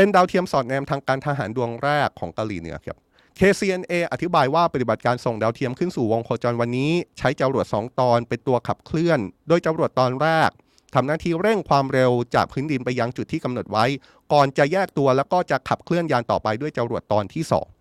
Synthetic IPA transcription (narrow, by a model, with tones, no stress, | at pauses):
pe˧ndaː˧wt̪ʰi˧əmsɔː˨˩t̪̚nɛː˧mt̪ʰaː˧ŋkaː˧nt̪ʰa˧ɦa̰ː˩˦ndu˧əŋɾɛː˥˩kʰːɔː˩˦ŋka˧wliː˩˦nɯ̰˩˦kʰa̰˦˥p̚ | kʰeː˧siː˧ʔe˧nʔeː˧ʔa˨t̪ʰi˦˥baː˧jwaː˥˩pa˧˩t̪i˨˩ba˨˩t̪̚kaː˧nso˨˩ŋdaː˧wt̪ʰi˧əmkʰɯ˥˩nsuː˨˩wo˧ŋkʰoː˧t͡ɕɔː˧nwa˧nːiː˦˥t͡ɕʰa˦˥jt͡ɕa˧ɾu˨˩ət̪̚sɔ̰ː˩˦ŋt̪ɔː˧npe˧nt̪u˧ɐkʰa̰˨˩p̚kʰlɯ˥˩əndoː˧jt͡ɕa˧mɾu˨˩ət̪ːɔː˧nɾɛː˥˩k̚ | t̪ʰa˧mnaː˥˩t̪ʰiː˥˩ɾe˥˩ŋkʰwaː˧mɾe˧wt͡ɕa̰ː˨˩k̚pʰɯː˦˥ndi˧npa˧ja˧ŋt͡ɕu˨˩t̪ʰːiː˥˩ka˧mno˨˩t̪̚wa˦˥j | kɔː˨˩nt͡ɕa˨˩jɛː˥˩k̚t̪u˧ɐlɛː˦˥wkɔː˥˩t͡ɕa˨˩kʰa˨˩p̚kʰlɯ˥˩ənjaː˧nt̪ɔ̰ː˨˩pa˧jdu˥˩əjt͡ɕa˧mɾu˨˩ət̪ːɔː˧nt̪ʰiː˥˩sɔ̰ː˩˦ŋ